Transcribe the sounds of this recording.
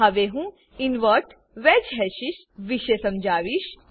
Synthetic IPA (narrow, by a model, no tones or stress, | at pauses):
ɐʋeːɦũ | inʋəɾʈ | ʋed͡ʒɦɛʃiʃ | ʋiʃesɐmd͡ʒaːʋiʃ